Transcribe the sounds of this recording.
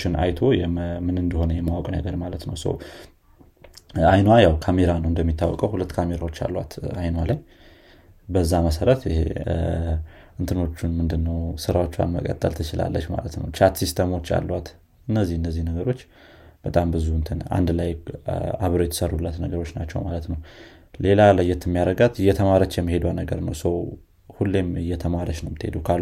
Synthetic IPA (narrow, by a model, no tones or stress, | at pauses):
ʃɪnʔa̰jt̪ʰo̞jɛmɨnɨnd̪əho̞nəjɛmːawɔkʼnə̰ɡəɾmalət̪nəwsə̰w | ajnwajawkʰame̞ɾanəwɨnd̪əmːit̪ʰːawːɔkʼəwhulət̪ːkʰame̞ɾawot͡ʃːa̰lːwa̰t̪ajnwalaj | bəzːaməsəɾət̪ɪ̰hḛ | ʔɨnt̪ʰɨno̞t͡ʃːunmɨnd̪ɨnːəwsɨɾawo̞t͡ʃːa̰nməkʼə̰t̪ʼːəlt̪ʰɨt͡ʃɪla̰lːət͡ʃma̰lət̪nə̰wt͡ʃʰat̪sist̪ʰəmo̞t͡ʃːa̰lːwat̪ | ɨnːəzːihɨnːəzːihnəɡəɾo̞t͡ʃː | b̥ət̪ʼambɨzuɨnt̪ʰɨna̰nd̪laja̰βɾojɛt̪ʰə̥sərːulːət̪nəɡəɾo̞t͡ʃːnat͡ʃːɛ̰wmalət̪nəw | le̞laləjːɛt̪ʰːɨmːijaɾəɡat̪ɨjːɛt̪ʰəmaɾət͡ʃːjɛmːihe̞d̪wanəɡəɾnəwsəw | hulːemɨjːɛt̪ʰəmaɾəʃnəwmɨt̪ːhe̞d̪ukʰalːu